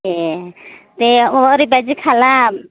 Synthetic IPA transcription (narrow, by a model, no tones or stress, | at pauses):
e | t̪eɔɾibad͡ʒikʰala